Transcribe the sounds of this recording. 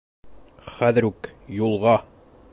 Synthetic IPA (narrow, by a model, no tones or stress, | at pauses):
χæðɘ̆ɾukjulˠʁɑ